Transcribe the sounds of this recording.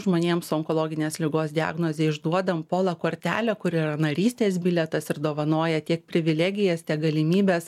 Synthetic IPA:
ʒmoːnʲeɛmsʊɔŋkoɔlˠoːɡʲɪnʲeːslʲɪɡoːsd̪ʲɪɑ̰ːɡnoːzʲeːɪʒd̪uɔd̪ɐmpoːlˠɐkoːɾʲt̪ʲæːlʲoːkʊɾɪɾɐnɐɾʲiːsʲt̪ʲeːsbʲɪlʲɛt̪ɐsɪɾd̪oːʋɐnoːjɛt̪ʲiɛk̚pʲɾʲɪʋʲɪlʲæːɡʲɪjɛst̪ʲiɛkɡɐlʲɪmʲiːbʲeːs

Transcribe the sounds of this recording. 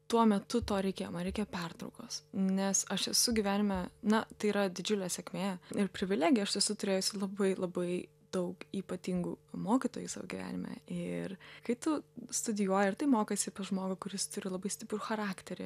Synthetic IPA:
t̪uɔmʲɛt̪ʊt̪oːɾʲɛɪkʲeːjo̰ːmɐnɾʲɛɪkʲeːjoːpʲɛrt̪ɾɐʊkoːsnʲɛsɐʃɛsʊɡʲiʋʲæːnʲɪmʲɛnɐt̪ɐɪiːɾɐd̪ʲɪd͡ʒʲʊlʲɛːsʲɛkʲmʲeːɪrpʲɾʲɪʋʲɪlʲæːɡʲɪjɛɐʃʲɛsʊt̪ʊɾʲeːjʊsʲɪlˠɐbɐɪlˠɐbɐɪ | d̪̥ɐʊkiːpɐt̪ʲiŋɡṵːmoːkʲɪt̪oːjusɑːʋoːɡʲiʋʲæ̰ːnʲɪmʲɛ̰ʔɪrkɐɪt̪ʊst̪ʊd̪ʲɪjuɔjɛɪrt̪ɐɪmoːkɐsʲɪpɐʒmoːɡɐkʊɾʲɪst̪ʊɾʲɪlˠɐbɐɪsʲt̪ʲɪpɾʊxɐɾɑːkt̪ʲɛɾʲɪ

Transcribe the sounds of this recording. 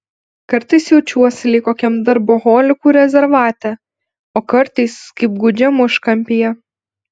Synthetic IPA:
kɐɾt̪ɐɪsjɛʊt͡ʃʲuɔsʲɪlʲɪkoːkʲɛmd̪ɐɾboːɣoːlʲɪkuːɾʲɛzʲɛɾʋɑːt̪ʲɛ | oːkɐɾt̪ɐɪskɐɪp̚ɡʊd͡ʒʲɛmʊʃkɐmʲpʲɪjɛ

